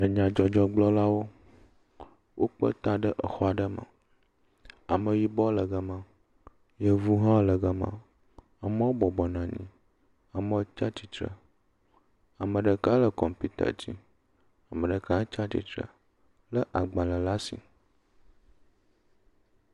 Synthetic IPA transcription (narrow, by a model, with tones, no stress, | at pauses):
ə˨ɲã˨d͡ʒɔ˨d͡ʒɔ˦ɡ͡blɔ˦la˦wo˦ | wʔo˦k͡pə̰˦t̪ã˦ɖə˦ʔə˨xɔ˦a˨ɖə˦mə̰̃˨ | a˨mə̃˨ji˦bɔ˦lə˨ɡə˨mã˨ | jə˦vu˦ɦã˦lə˨ɡə˨mã̰˨ | a˨mə̃˦wo˦bɔ˨bɔ˨nã˨ɲḭ̃˨ | a˨mə̃˦wo˦t͡ʃa˦t͡ʃi˨t̪ɾə̰˨ | a˨mə̃˨ɖə˨ka˦lə˨kɔ˨mpi˦t̪a̰˨d͡ʑi˦ | a˨mə̃˨ɖə˨ka˦t͡ʃa˦t͡ɕḭ˨t̪ɾə̰˨ | lə˦ʔa˨ɡ͡bã˨lə˨la˦sḭ˨